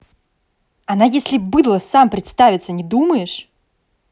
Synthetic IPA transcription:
ɐnajesʲlʲɪbɨd̪lˠəsampɾʲɪt̪st̪avʲɪt̪sənʲɪd̪uməjɪʂ

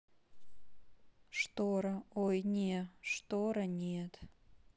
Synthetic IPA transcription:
ʂt̪oɾaojnʲeʂt̪oɾanʲet̪ʰʼ

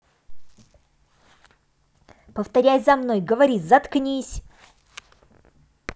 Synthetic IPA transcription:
pəft̪ɐɾʲæjzɐmnojɡəvɐɾʲizɐt̪knʲisʲ

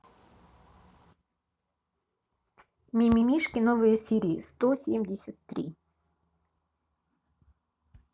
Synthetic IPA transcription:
mʲimʲimʲiʂkʲɪnɔvɨjəsʲiɾʲijist̪ɔsʲemʲdʲɪsʲət̪ːɾʲḭ

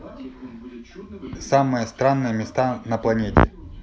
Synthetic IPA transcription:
samɨjəst̪ɾanːɨjəmʲɪst̪anəplˠɐnʲetʲɪ̰

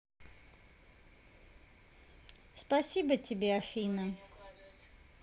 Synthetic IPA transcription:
spɐsʲibətʲɪbʲeɐfʲinə

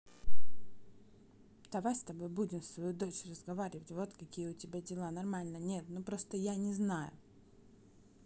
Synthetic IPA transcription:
d̪̥ɐvajst̪ɐbojbudʲɪmst̪vɐjud̪o̞t͡ɕrəzɡɐvaɾʲɪvətʲvo̞t̪kɐkʲijəʊtʲɪbʲadʲɪlˠanɐrmalʲnənʲe̞t̪nupɾost̪əjanʲɪznajʊ̰

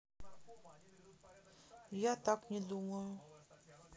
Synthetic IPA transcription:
jat̪aknʲed̪uməju

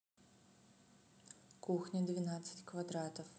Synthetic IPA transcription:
kuxnʲid̪ʋʲinat͡sʲːɐ̥tʲkʋɐd̪ɾɑt̪ʲiw

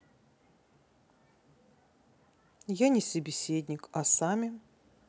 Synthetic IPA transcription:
janʲɪsəbʲɪsʲed̪ʲnʲɪkɐsamʲɪ

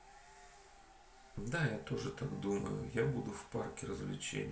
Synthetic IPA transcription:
d̪ajat̪o̞ʐɨt̪aɡd̪umə̰jʊ̰jabud̪ʊfparkʲɪrəzvlʲɪ̰t͡ɕḛnʲɪ

